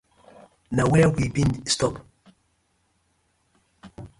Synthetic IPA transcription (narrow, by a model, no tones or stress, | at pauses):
nawɛwibĩndstɔp